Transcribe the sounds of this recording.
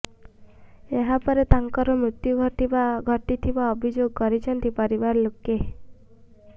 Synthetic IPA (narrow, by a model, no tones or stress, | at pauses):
eɦapɔɾet̪aŋkɔɾɔmɾut̪juɡʱɔʈibaɡʱɔʈit̪ʰibaɔbʱid͡ʒoɡkɔɾit͡ʃʰɔnt̪ipɔɾibaɾɔloke